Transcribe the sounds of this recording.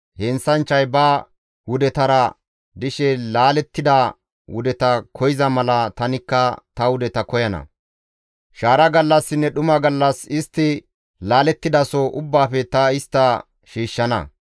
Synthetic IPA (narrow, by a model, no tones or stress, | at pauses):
hɛnsɐnt͡ʃːɐjbɐ | wʊd̪ɛt̪ɐɾɐ | d̪ɪʃɛlaːlɛt̪ːɪd̪ɐ | wʊ̰d̪ɛt̪ɐkʰɔjɪzɐmɐlɐt̪ɐnɪkːɐt̪ɐwʊd̪ɛt̪ɐkɔjɐnɐ̰ | ʃaːɾɐɡɐlːɐsːɪnːɛɗʊmɐɡɐlːɐsɪst̪ːɪ | laːlɛt̪ːɪd̪ɐsɔʔʊbːaːfɛt̪ɐɪst̪ːɐ | ʃiːʃːɐnɐ̰